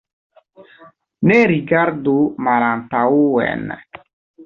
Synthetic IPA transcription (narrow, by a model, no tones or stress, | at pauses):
nɛɾiɡaɾd̪umaɾant̪auwɛ̰n